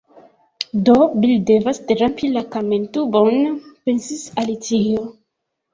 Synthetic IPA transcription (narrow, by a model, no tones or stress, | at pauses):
dobildevasteɾampilakamentubonpe̞nsisalitio